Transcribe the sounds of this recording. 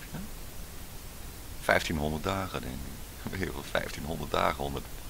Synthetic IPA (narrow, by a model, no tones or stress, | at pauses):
ja | fɛjftinɦɔndərt̚daːχədɛ̰ŋkɪ | ʋeʋəlˠfɛ̰jftinɦɔndətda̰ːχəɔndət